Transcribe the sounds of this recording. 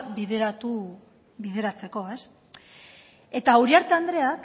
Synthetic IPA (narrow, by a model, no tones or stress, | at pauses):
biðeɾat̪u | βiðe̞ɾat͡se̞ko̞e̞s | e̞t̪auɾiaɾt̪e̞and̪ɾe̞ak